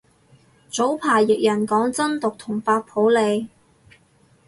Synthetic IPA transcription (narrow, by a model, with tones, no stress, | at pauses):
t͡so˨˥wpʰaː˨˩jjɪ˨k̚jɐ˨˩nkɔː˨˥ŋt͡sɐ˥nt̪ʊ˨k̚t̪ʰʊ˨˩ŋfaː˧t̚pʰo˨˥wle˨˧j